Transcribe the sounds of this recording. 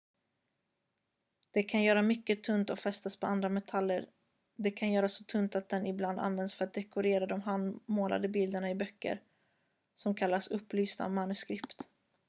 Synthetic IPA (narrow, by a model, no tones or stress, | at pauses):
d̪̥ɛkʰanjœːɾamʏkːət̪ʰɵnt̪ɔfɛst̪aspʰɔand̪ɾamɛt̪ʰalːəɾ | d̪ɛkʰanjœːɾasːɔt̪ʰɵnt̪at̪̚d̪ɛnɪbland̪a̰nvɛnd̪sfœɾat̪̚d̪ɛkʊɾeːɾad̪ɔmɦanmoːlʔa̰d̪əbɪld̪əɳaɪbœkːə̰ɾ | sɔmkʰalːasɵpːlyːsna̰manɵskɾɪpt̪